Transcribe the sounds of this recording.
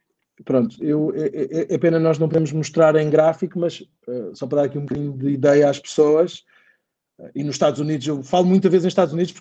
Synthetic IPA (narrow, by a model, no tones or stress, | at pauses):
pɾõnt̪u̥ewɛʔɛʔɛʔɛɐpenɐnɔʒnɐ̃w̃puðemuʒmuʃt̪ɾaɾẽj̃ɡɾafikumɐʃ | ɛsɔpɐɾɐðaɾɐkiũmkɐðiɲud̪ɨiðɛjɐaʃpɨ̥soɐʃ | ɛinuʃt̪aðzuniðuʃewfalˠmũj̃t̪ɐvezẽj̃ʃt̪ad̪zuniðuʃpuɾk